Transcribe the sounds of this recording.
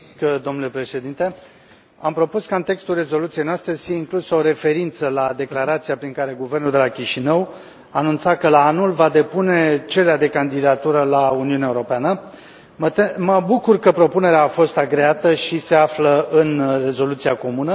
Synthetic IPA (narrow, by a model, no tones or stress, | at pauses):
d̪o̞mnule̞pɾe̞ʃe̞d̪int̪e̞ | ampɾo̞puskaɨnt̪e̞kst̪ulre̞zo̞lut̪siejnoast̪ɾefijeiŋklusəoɾe̞fe̞ɾint̪səlad̪e̞klaɾat̪siapɾiŋkaɾe̞ɡuvernuld̪e̞lakʲiʃinəw | aːnunt̪sakəlaanulvad̪e̞pune̞t͡ʃe̞leead̪e̞kand̪id̪at̪uɾəlauniuneaeuɾo̞peanə | mət̪məbukurkəpɾo̞pune̞ɾeaːfo̞st̪aɡɾe̞at̪əʃise̞afləɨnre̞zo̞lut̪siako̞munə